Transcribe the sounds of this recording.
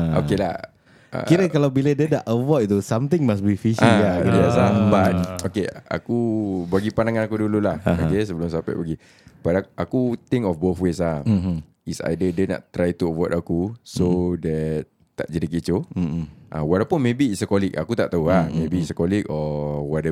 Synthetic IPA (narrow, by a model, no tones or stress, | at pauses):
oelah | a̰kiɾəkalawbilədədaʔəvɔt̚t̪usamt̪ɪŋmas̬bifiʃʔiajɛsabat̪̚okea̰kubaɡipanaŋanakudululahakes̬əbəlʊmsampa̰ʔbaɡi | badaakut̪ɪŋkɔfboθweslah | isa̰jdədəna̰ʔt̪ːɾajt̪uəvɔdakusodɛt | t̪ːa̰ʔd͡ʒadikit͡ʃo | ʔawɔɾɛpəmebiːsəkɔlik̚a̰kut̪aʔt̪auamebiːsəkɔlikɔwɔtɛ